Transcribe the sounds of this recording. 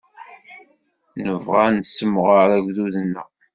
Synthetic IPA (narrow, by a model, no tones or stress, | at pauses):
nəvʁansəmːʁəɾæʝʷðuðənːəʁ